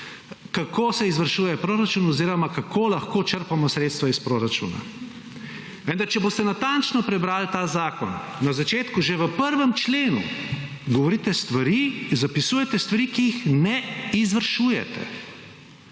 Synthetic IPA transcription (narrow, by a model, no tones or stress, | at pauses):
kakʰoːsɛizʋəɾʃuːjɛpɾoːɾat͡ʃuːnɔziːɾɔmakakʰolaxkoːt͡ʃəɾpamɔsɾeːt̪st̪ʋaispɾoːɾat͡ʃṵːna̰ | ʋə̃nd̪aɾt͡ʃɛboːst̪ɛnat̪ant͡ʃnɔpɾɛbɾaːlt̪aːzaːkɔ̰nːazat͡ʃeːt̪kuʒeʋəpəɾʋɛmt͡ʃleːnṵ | ɡɔʋɔɾit̪ɛst̪ʋaɾizapisuːjɛt̪ɛst̪ʋaɾikijixnɛizʋəɾʃuːjɛ̰t̪ɛ̰